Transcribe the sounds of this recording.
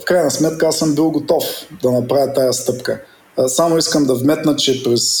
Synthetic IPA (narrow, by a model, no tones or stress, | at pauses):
fkɾajnɐsmɛt̪̚kəasɤmbilˠɡot̪ɔfd̪ɐnɐpɾavʲət̪ajəst̪ɤpkə̰ | samoiskəmd̪ɐvmɛt̪nət͡ʃɛpɾɛs